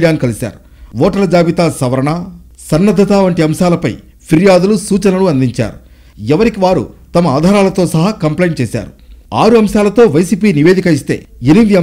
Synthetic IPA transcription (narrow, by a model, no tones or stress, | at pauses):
jaːnkɐlisa̰ːɾu | ʋɔːʈɐlɐd͡ʒaːbit̪aːsɐʋɐɾɐɳa | sɐnːɐd̪ʱːɐt̪aːʋɐɳʈiɐmʃaːlɐpɐj | pʰiɾijaːd̪ulusuːt͡ʃɐnɐluɐnd̪iɲt͡ʃa̰ːɾu | ɛʋɐɾikiʋaːɾṵt̪ɐmɐaːd̪ʱaːɾaːlɐt̪o̞ːsɐɦakɐmplejɳt͡ʃeːsa̰ːɾuaːɾuɐmʃaːlɐt̪o̞ːʋɐjsiːpiːniʋeːd̪ikɐist̪e̞̰ːeniiɐ